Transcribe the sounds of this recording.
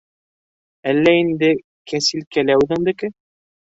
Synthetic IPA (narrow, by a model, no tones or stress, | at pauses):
ælːæind̪ɘ | kæsilkælæwðɘ̆ŋd̪ɘ̆kɘ